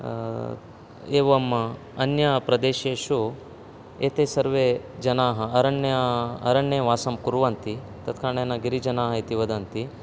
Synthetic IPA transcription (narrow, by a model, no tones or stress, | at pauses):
eːʋɐm | ɐnjɐpɾɐd̪eːʃeːʃu | eːt̪eːsɐɾʋeːd͡ʒɐnaːɦɐɐɾɐɳːɐɐ̰ɾɐɳːeːʋaːsɐmkuɾuʋɐnt̪i | t̪ɐt̪kaːɳeːnɐɡiɾid͡ʒɐnaːɦɐit̪iʋɐd̪ɐnt̪i